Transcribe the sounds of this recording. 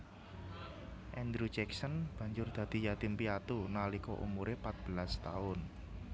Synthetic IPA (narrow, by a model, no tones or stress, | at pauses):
ʔɛnd̪ɾud͡ʒɛksənb̥ä̤ɲd͡ʒʊrd̪̥a̤d̪̥i̤jat̪ɪmpiat̪unalikɔ̰ʔṵmuɾepat̪̚b̥ə̤last̪a̰ʊn